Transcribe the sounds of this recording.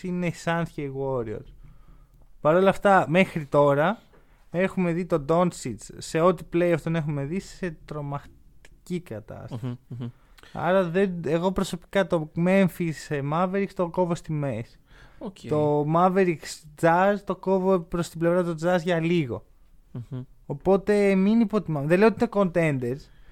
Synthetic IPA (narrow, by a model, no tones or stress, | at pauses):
inesɐnsçeiɣo̞ɾio̰ɾ | pɐɾo̞lɐft̪ɐme̞xɾit̪o̞ɾɐ | e̞xume̞ðit̪o̞d̪o̞nsit̪t͡sːe̞o̞t̪iple̞jɐft̪one̞xume̞ðise̞t̪ɾo̞mɐxt̪i̥cikɐt̪ɐ̰st̪ɐsii | ɐ̰ɾɐðe̞neɣo̞pɾo̞so̞pi̥kɐt̪o̞me̞ɱfisemɐveɾikst̪o̞ko̞vo̞st̪imes | t̪o̞mɐveɾiksd͡zɐzt̪o̞ko̞vopɾo̞st̪ible̞vɾɐt̪o̞d͡zɐzʝɐliɣo̞̰ | po̞t̪e̞minipo̞t̪imɐmðele̞ot̪ineko̞nt̪e̞nd̪eɾs